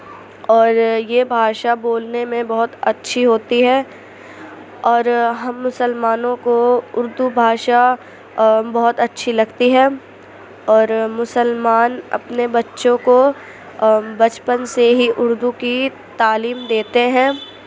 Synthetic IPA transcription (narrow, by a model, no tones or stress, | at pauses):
ɔːɾjebʱaːʃaboːlnemẽbɐɦʊt̪ɐtːʃʰiɦoːt̪iɦɛː | ɔːɾɦɐmːʊsəlmaːnõkoʊɾd̪ubʱaːʃa | bɔɦʊt̪ɐtːʃʰilɐɡt̪iɦɛː | ɔːɾmʊsəlmaːnɐ̰pnebɐtːʃõko | bɐt͡ʃpənseɦiʔʊɾd̪uki | t̪aːliːmd̪eːt̪eɦɛ̃ː